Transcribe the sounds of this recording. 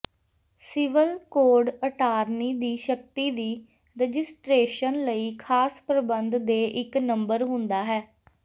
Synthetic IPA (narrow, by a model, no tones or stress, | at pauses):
sɪʋəlkoːɾɖəʈaːɾniːd̪iːʃək̚t̪iːd̪iː | ɾɛd͡ʒɪsʈɾeːʃənləiːkʰaːspɾəbənd̪d̪eːʔɪknəmbəɾɦʊ̃nd̪aːɦɛː